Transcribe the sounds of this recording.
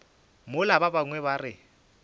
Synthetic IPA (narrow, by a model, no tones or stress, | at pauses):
mʊlababaŋwɛβarɪ